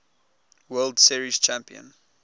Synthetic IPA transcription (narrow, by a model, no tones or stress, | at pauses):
wɜldsiɹiz̥t͡ʃʰæ̃mpiə̰̃n